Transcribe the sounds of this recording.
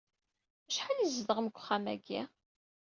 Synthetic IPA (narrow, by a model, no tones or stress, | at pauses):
æʃħalizðəʁmkʷːχːæmæ̰ɡi